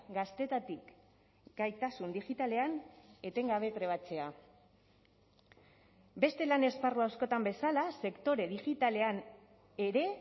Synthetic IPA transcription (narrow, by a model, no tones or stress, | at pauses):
ɡast̪e̞t̪at̪ik | ɡ̥ajt̪asund̪iʝit̪ale̞ane̞t̪e̞ŋɡaβ̞e̞t̪ɾe̞β̞at͡se̞a | be̞st̪e̞lane̞sparuawsko̞t̪ambe̞salase̞kt̪o̞ɾe̞ð̞iʝit̪ale̞an | e̞ɾe̞